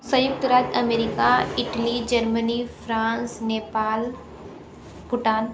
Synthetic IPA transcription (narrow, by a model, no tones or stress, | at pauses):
sɐjʊk̚t̪ɾaːt̪ɐmeːɾɪkaɪʈlid͡ʒɐɾmənifʰɾãːnsneːpaːl | bʊʈaːn